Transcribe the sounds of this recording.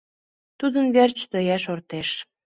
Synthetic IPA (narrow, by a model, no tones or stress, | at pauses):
t̪ud̪ənβert͡ɕt̪øjæʃort̪eʃ